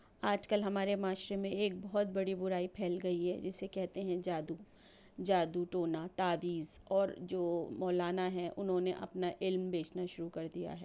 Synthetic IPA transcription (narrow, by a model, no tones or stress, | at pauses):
aːd͡ʒkɐlɦɐmaːɾemaːʃɾemẽeːk̚bɔɦʊt̪̚bɐɽibʊɾaːipʰɛːlɡɐiɦɛ̰d͡ʒɪsekɛɦt̪eɦɛ̃d͡ʒaːd̪u | d͡ʒaːd̪uʈoːnat̪aːʋiːzɔːɾd͡ʒoːmɔːlaːnaɦɛ̃ʔʊnɦõneʔɐ̰pnaʔɪlmbeːt͡ʃnaʃʊɾukɐɾd̪ija̰ɦɛː